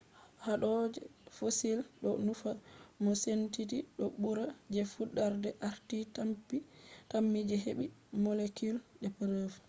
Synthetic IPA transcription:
haɗɔd͡ʒɛfosilɗɔnufamɔsentitiɗɔɓuɾad͡ʒɛfuɗːaɾdɛʔaɾtitampitamːid͡ʒɛɦeɓimɔlekulɗɛpəɾəf

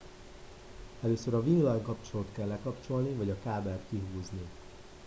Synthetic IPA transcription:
ɛløːsøɾɒviːnlɒjŋkɒpt͡ʃolot̪kɛlːɛkɒpt͡ʃo̞lnivɒɟɒkaːbɛlt̪kiɦuːzni

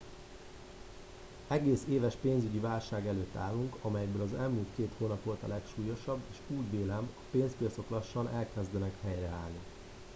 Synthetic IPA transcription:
ɛɡeːseːvɛʃpeːnzyɟivaːlʃaːɡɛløːt̪ːa̰ːlːuŋkɒmɛjɛɡbøːlɒzɛlmuːlt̪keːt̪hoːnɒpvo̞lt̪ɒ̰lɛkʃuːjo̞ʃɒbːeːʃuːɟveːlɛmɒpeːnspiɒt̪so̞klɒʃːɒnɛlkɛzd̪ɛnɛkhɛjrɛaːlni

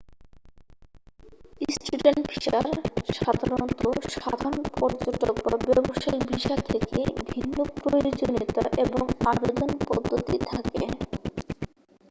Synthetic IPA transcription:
isʈuɖenʈpʰiʃaɾʃad̪ʱaɾont̪oʃa̰d̪ʱaɾonpɔɾd͡ʑoʈok̚babɛboʃaibiʃat̪ʰeekḛbʱinːopɾojod͡ʑonit̪a̰ʔeboŋabed̪onpɔd̪ʱːot̪it̪ʰakḛ

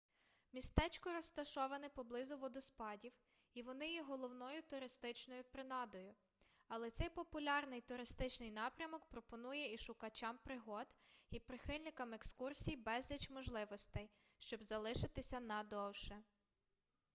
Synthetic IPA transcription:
mʲist̪ɛt͡ʃkɔɾɔst̪ɐʃɔʋɐnɪpɔblˠɪzʊʋɔd̪ɔspɑdʲiw | iʋɔnɪjɛɦɔlˠɔwnɔjʊt̪ʊɾɪst̪ɪt͡ʃnɔjʊpɾɪnɑd̪ɔjʊ | ɐlˠɛt̪sɛjpɔpʊlʲɑrnɪjt̪ʊɾɪst̪ɪt͡ʃnɪjnɑpɾʲɐmɔkpɾɔpɔnujɛiʃʊkɐt͡ʃɑmpɾɪɦɔd̪ipɾɪxɪlʲnɪkɐmekskursʲijbɛzʲlʲɐt͡ʃmɔʒlˠɪʋɔst̪ɛj | ʃt͡ʃɔbzɐlˠɪʃɪt̪ɪsʲɐnɐd̪ɔwʃɛ

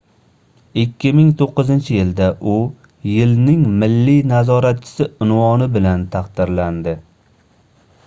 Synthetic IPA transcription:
ɪkʲʰːɪmɪŋt̪ʰoqːɨzɪnt͡ʃʰɪjɪld̪aʔʊ | jɪlnɪŋmɪlːɪnazɒɾat̪̚t͡ʃʰɪ̥sɪʊnvɒnɪbɪlant̪ʰaqd̪ɪɾland̪ɪ

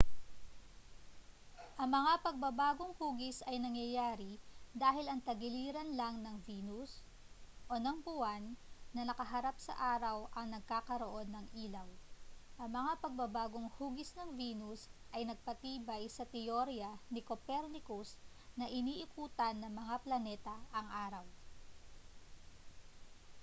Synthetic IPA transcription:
ʔɐŋmɐŋapɐɡ̚bɐbaːɡoŋhuːɡɪsɐjnɐŋjɐjaːɾid̪aːɦɪlɐŋt̪ɐɡɪliːɾɐnlɐŋnɐŋviːnus | ʔo̞nɐŋpʊwanːɐnɐkɐɦɐɾap̚sɐ̰ʔaːɾɐwʔɐŋnɐɡ̚kaːkɐɾoʔo̞nːɐŋʔiːlɐwʔɐŋmɐŋapɐɡ̚bɐbaːɡo̞ŋhuːɡɪsnɐŋviːnusʔɐjnɐɡ̚pɐt̪iːbɐjsɐt̪ɛjoɾjɐnɪkopɛɾnɪkus | nɐʔɪniːʔɪkuːt̪ɐnːɐŋmɐŋaplɐnɛːt̪ɐʔɐŋʔaːɾɐw

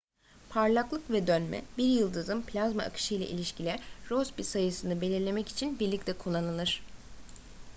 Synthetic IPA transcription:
pʰaɾlˠaklˠɯkvɛd̪ønmɛ̰biɾjɯlˠd̪ɯzɯmpʰlʲazma̰a̰kʰɯ̥ʃɯjlˠa̰ʔḭlʲiʃcilʲɛɾosbisajɯsɯnɯbe̞lʲiɾlʲe̞mɛci̥t͡ʃʰinbiɾlʲic̚t̪ʰɛkʰulˠːanɯlɯɾ̥

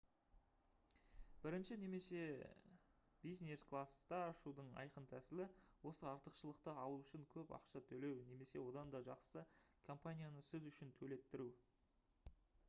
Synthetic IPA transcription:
b̥ɪɾɪnʃɪne̞me̞se̞ | b̥ijzne̞sklˠast̪ɑːʃud̪əɴɑ̰jqənt̪ʰæsɪlɪwo̞səɑɾt̪əqʃəlˠəq̚t̪əɑlˠuʏʃɪŋkʲʰɵpɑ̰qʃɑt̪ʰɵle̞wne̞me̞se̞wo̞d̪ɑnd̪ɑʒɑqsəkʰo̞mpanʲijanəsɪzʏʃɪnt̪ʰɵle̞t̪ːɪɾu

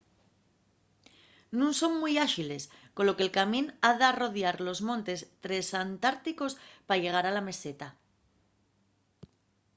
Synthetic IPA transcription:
nũnso̞mmujaxile̞sko̞lo̞kelkamĩnaðaro̞ðjaɾlo̞zmõ̞nt̪e̞st̪ɾe̞sant̪aɾt̪iko̞spaʝe̞ɣ̞aɾalame̞se̞t̪a

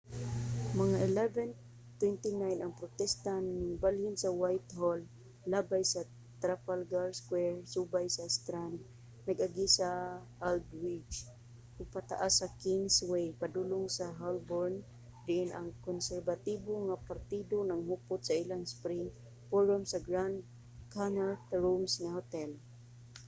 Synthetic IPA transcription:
maŋaʔɪlɛvɛn | t̪wɛnt̪inajnʔaŋpɾʊt̪ɛst̪anːɪŋbaljʊnsawajt̪holː | abajsa | t̪ɾapalɡaɹskwɛɹsubajsast̪ɾand̪ | naɡʔaɡisa | ald̪wid͡ʒ | ʊɡ̚pat̪a̰ʔasːakiŋswejpad̪ulʊŋsaɦalbɔɹn | d̪ɪʔɪnʔaŋkʊnsɛɹbat̪ibʊŋapaɾt̪id̪onaŋɦʊpʊt̪sailaŋspɾɪŋ | fɔɹɔmsaɡɹand̪ | kanat̪ɹumsŋahʊt̪ɛl

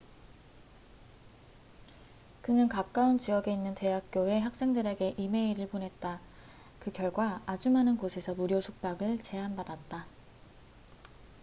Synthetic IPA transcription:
kɯŋɯnkak̚k͈aunt͡ɕijʌɡe̞inːɯnte̞ɦak̚k͈joe̞ɦak̚s͈e̞ŋdɯɾe̞ɡe̞ʔime̞iɾɯɭponɦe̞t̚t͈a | kɯkjʌɭɡwaːd͡ʑumɦanɯnɡosʰe̞sʰʌmuɾjosʰuk̚p͈aɡɯɭt͡ɕe̞ɦanbadat̚t͈a

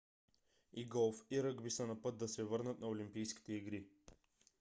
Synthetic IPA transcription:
iɡɔlˠfiɾəɡbisənɐpɤt̪̚d̪ɐsɛvɤɾnət̪nɐolimpijskʲi̥t̪ɛiɡɾi

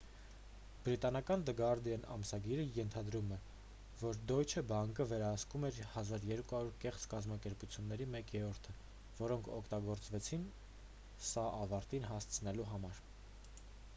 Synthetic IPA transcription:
b̥ɾit̪ɑnɑkɑnd̪əɡɑɾd̪iɛnɑ̰msɑɡiɾəjɛnt̪ʰɑd̪ɾumɛ | vɔɾd̪ɔjt͡ʃʰəbɑŋkəvɛɾɑhɑskumɛɾhɑzɑɾjɛɾkuhɑɾuɾkɛχt͡skɑzmɑkɛɾput͡sʰjunːɛɾimɛkjɛɾɔɾt̪ʰə | vɔɾɔŋkʰɔkʰt̪ɑɡɔɾt͡svɛt͡sʰin | sɑʔɑvɑɾt̪inɦɑst͡sʰənɛluɦɑmɑɾ

